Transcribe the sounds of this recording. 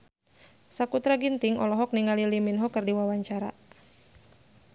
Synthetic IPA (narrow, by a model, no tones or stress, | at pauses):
sakut̪ɾaɡint̪iŋɔ̰lɔɦɔk̚niŋaliliminɦɔkɨrdiwawaɲt͡ʃaɾa̰